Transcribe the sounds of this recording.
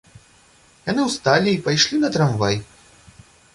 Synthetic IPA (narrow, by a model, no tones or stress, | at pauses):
janɨwst̪alʲiːpajʂlʲinɐt̪ɾamva̰j